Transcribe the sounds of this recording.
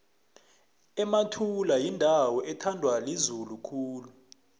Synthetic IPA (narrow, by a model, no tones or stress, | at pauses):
ɛmatʰulajindʱawɔʔɛtʰandʱwalizulukʰuːlu